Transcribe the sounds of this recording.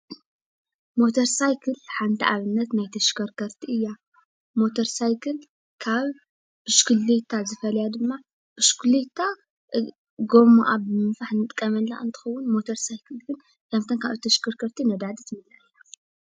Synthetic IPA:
mo̞t̪ʰɐɾsajkʰɨlħant̪ʰiʔaβɨnːɐt̪najt̪ʰɐʃkʰɐɾkʰɐɾt̪ʰiʔɨjːa | mo̞t̪ʰɐɾsajkʰɨl | kʰaβ | bɨʃkɨlet̪ʰːazɨfɐlɐjad̪ɨmːa | b̥ɨʃkulet̪ʰːa | ɡo̞moʔabɨmɨnfaħnɨt̪ʼkʼːɐmɐlːa̰ʔɨ̰nt̪ʰɨ̥xɐwːʊnmo̞t̪ʰɐɾsajkʰɨlɡɨn | kʰɐmt̪ʰɐnkʰaβɨt̪ʰɐʃkʰɐɾkʰɐɾt̪ʰinɐd̪ad̪it̪ʰmɨlaʔɨjːa

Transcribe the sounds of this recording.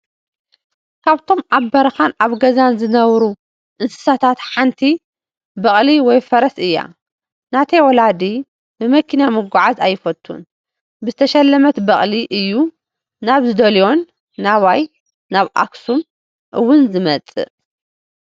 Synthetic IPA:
kʰaβt̪ʰo̞mʔabːɐɾɐxanaβɡɐzanzɨnɐβɾu | ʔɨnsɨ̥sat̪ʰat̪ħant̪ʰi | bɐχʼliwɔjfɐɾɐsɨjːa̰ | nat̪ʰɐjwɔlad̪i | bɨmɐkʰinamɨɡʷʊʕazajːɪfɐt̪ʼʰːṵn | bɨzɨt̪ʰɐʃɐlːɐmɐt̪bɐχʼliʔɨjːu | naβzɨd̪ɐlijo̞nː | aβajː | aβʔa̰ksum | ʔɨwːʊnzɨmɐt͡sʼɨ̰

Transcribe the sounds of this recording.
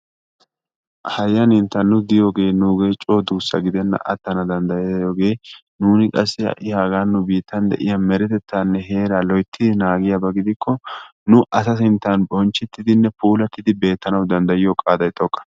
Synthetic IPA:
hɐjːɐnɪnt̪ːɐnːʊd̪ɪjoːɡe̞ːnuːɡe̞ːt͡ʃʼo̞ːd̪uːsːɐ̰ɡɪd̪ɛnːɐ̰ʔɐ̰t̪ːɐnɐd̪ɐnd̪ɐjeːjoːɡe̞ː | nuːnɪkʼɐsːɪɐ̰ʔɪhaːɡaːnːʊbiːt̪ʰːɐnd̪ɛ̰ʔɪjɐmɛɾɛt̪ɛt̪ːaːnːɛɦe̞ːɾalɔjt̪ʰːɪd̪ɪnaːɡɪjɐbɐɡɪd̪ɪkʰːɔ | nʊʔɐsɐsɪnt̪ːanbɔnt͡ʃːɪt̪ːɪd̪ɪnːɛpuːlɐt̪ːɪd̪ɪbe̞ːt̪ːɐnɐwd̪ɐnd̪ɐjɪjokʼaːd̪ɐjt̪ʼɔkʼːɐ̥

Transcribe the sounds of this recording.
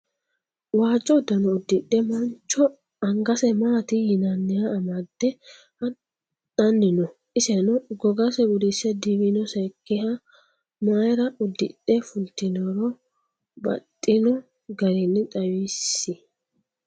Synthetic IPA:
waːt͡ʃʼːɔd̪ɐnɔʊd̪ːɪɗːɛmɐnt͡ʃːɔ | ɐŋɡɐsɛmaːt̪ɪjɪnɐnːɪjɐːmɐd̪ːɛ | hɐ | ɐnːɪnɔ | ɪsɛnɔɡɔɡɐsɛɡʊd̪isɛd̪iwinɔsɛkːɛhɐ | maːjɾɐʔʊd̪ːɪ̰ɗːɛfʊlt̪ːɪnɔɾɔ | bɐ̰tʼːɪnɔ | ɡɐɾɪnːɪt̪ʼɐwisːɪ

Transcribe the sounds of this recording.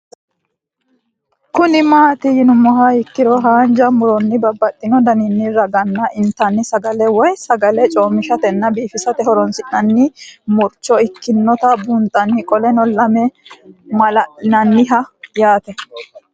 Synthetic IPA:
kʊnɪmaːt̪ɪjɪnʊmɔɦaɪkːɪɾɔɦaːnd͡ʒɐmʊɾɔnːɪbɐbːɐt̪ʼːɪnɔd̪ɐnɪnːɪɾɐɡɐnːɐʔɪnt̪ːɐnːɪsɐɡɐlɛwɔjsɐɡɐlɛt͡ʃʼoːmːɪʃɐt̪ɛnːɐbiːfɪsɐt̪ɛhɔɾɔnsɪnːɐnːɪmʊɾt͡ʃːɔɪkːɪnːɔt̪ɐbʊnt̪ʼɐnːɪkʼɔlɛnɔlɐmɛmɐlɐnɐnːɪɦɐjaːt̪ɛ

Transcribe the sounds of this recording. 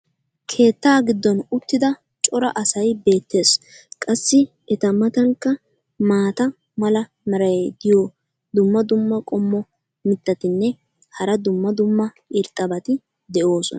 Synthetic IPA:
kʰe̞ːt̪ːaːɡɪd̪ːɔnʊt̪ːɪd̪ɐ | t͡ʃʼɔɾɐʔɐsɐjbe̞ːt̪ːe̞ːs | kʼɐsːɪ | ɛt̪ɐmɐt̪ɐŋkːɐ | maːt̪ɐ | mɐlɐ | mɐɾɐjd̪ɪjo | d̪ʊmːɐd̪ʊmːɐkʼɔmːɔ | mɪt̪ːɐt̪ɪnːɛ | hɐɾɐd̪ʊmːɐd̪ʊmːɐ | ɪɾt̪ʼːɐbɐt̪ɪ | d̪ɛʔo̞ːsɔ̰nɐ

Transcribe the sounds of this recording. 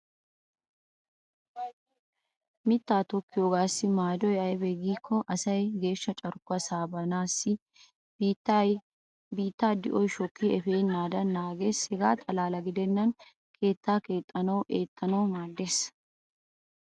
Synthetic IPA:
mɪt̪ːaːt̪ɔkːɪjoːɡaːsːɪmaːd̪ɔjɐjbɛɡiːkʰːɔʔɐsɐjɡe̞ːʃːɐt͡ʃʼɐɾkʊɐsaːbɐnaːsːɪ | biːt̪ːaːd̪ɪʔɔjʃɔkːiɛfeːnːaːd̪ɐnːaːɡeːshɛɡaːt̪ʼɐlaːlɐɡɪd̪ɛnːɐn | kʰe̞ːt̪ːaːkeːt̪ʼːɐnɐwʔeːt̪ʼːɐnɐwmaːd̪ːeːs

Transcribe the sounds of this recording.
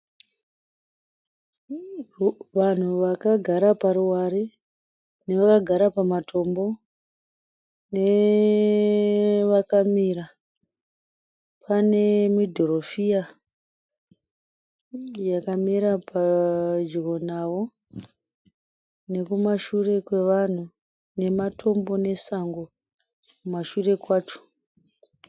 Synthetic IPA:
ʋan̤uʋakaɡʱaɾapaɾuwaɾe | ne̞ʋakaɡʱaɾapamatʰo̞mbo̞ | ne | ʋakamiɾa | pʰane̞midʱoɾo̞fia | jakamiɾapad͡ʒironawo̞ | ne̞kumaʃure̞kwe̞ʋan̤u | ne̞matʰo̞mbo̞ne̞saŋɡo | kumaʃure̞kwaːt͡ʃo̥

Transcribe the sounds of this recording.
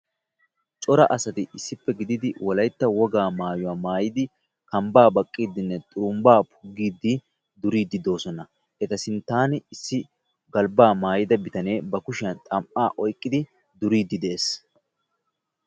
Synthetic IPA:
t͡ʃʼɔɾɐʔɐsɐt̪ɪʔɪsːɪpːɛɡɪd̪ɪd̪ɪwɔlɐjt̪ːɐwɔɡaːmaːjʊwaːmaːjɪd̪ɪ | kɐmbaːbɐkʼːiːd̪ːɪnːɛt̪ʼʊɾʊmbaːpʰʊɡːiːd̪ːɪ | d̪ʊɾiːd̪ːɪd̪o̞ːsɔnɐ | ʔɛt̪ɐsɪnt̪aːnɪɪsːɪ | ɡɐlbaːmaːjɪd̪ɐbɪt̪ɐne̞ːbɐkʊʃɪɐnt̪ʼɐmʔaːʔɔjkʼːɪd̪ɪ | d̪ʊɾiːd̪ːɪd̪ɛʔeːs

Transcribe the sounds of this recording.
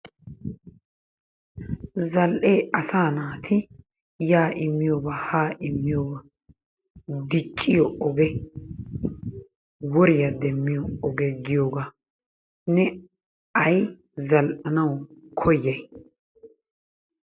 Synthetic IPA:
zɐlʔeːʔɐsaːnaːt̪ʰɪ | jaːʔɪmːɪjoːbɐhaːʔɪmːɪjoːbɐ | d̪ɪt͡ʃʼːɪjɔʔɔɡɛ | wɔɾɪjɐd̪ɛmːɪjɔɔɡɛɡɪjoːɡa | nɛ | ɐj | zɐlʔɐnɐwkʰɔjːɐj

